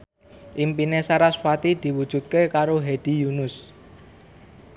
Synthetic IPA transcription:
ʔimpinesaɾaswat̪id̪̥i̤wud̥ʒ̥ṳt̪̚kekaɾoɦed̪̥i̤junʊs

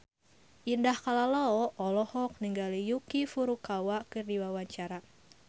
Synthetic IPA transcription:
ʔindahkalalaɔʔɔlɔhɔk̚niŋɡalijukifuɾukawakɨrdiwawaɲt͡ʃaɾa

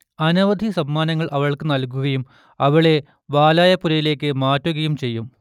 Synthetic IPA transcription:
ɐnɐʋɐd̪ʱisɐmːaːnɐŋːɐɭʔɐʋɐɭkɨnɐlk̬uɣɐjum | ɐʋɐɭe̞ | ʋaːlaːjɐpːuɾɐjile̞ːkːɨmaːtːuɣɐjumt͡ɕe̞jːum

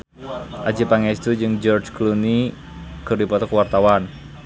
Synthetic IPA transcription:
ʔḁd͡ʒi̤paŋɛst̪ud͡ʒɨŋd͡ʒɔrt͡ʃkluni | ɡ̥ərdipɔt̪ɔkwart̪awan

